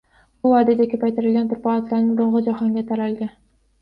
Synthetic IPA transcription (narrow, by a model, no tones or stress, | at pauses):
bʊvɒd̪ad̪akʲʰɵpajt̪ɪɾɪlʲɡʲant̪ʰʊɾpɑlɑt̪laɾnɪŋboɴʁɨd͡ʒahɒŋɡʲat̪ʰaɾalɡʲa